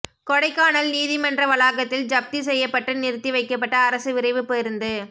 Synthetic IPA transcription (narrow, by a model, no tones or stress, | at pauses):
kɔɽɐɪkːaːnɐlniːðimɐndrɐʋɐlaːɣɐt̪ːɪld͡ʒɐp̚t̪isɛjːɐpːɐʈːɯnɪɾɯt̪ːiʋɐɪkːɐpːɐʈːɐːɾɐsɯʋɪɾɐɪʋɯpeɾɯnd̪ɯ